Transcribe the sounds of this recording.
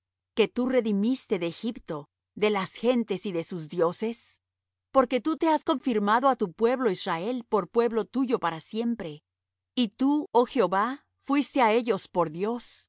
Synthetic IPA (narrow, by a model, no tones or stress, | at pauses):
ke̞t̪ure̞ðimist̪e̞ðeːxipt̪o̞ | ðe̞lasxe̞nt̪e̞siðe̞suzðjo̞se̞s | po̞ɾke̞t̪ut̪e̞asko̞ɱfiɾmaðo̞at̪upwe̞βlo̞izrae̞lpo̞ɾpwe̞βlo̞t̪uʝo̞paɾasje̞mpɾe̞ | it̪uoxjeo̞βa | fwist̪e̞ae̞ʝo̞spo̞ɾðjo̞s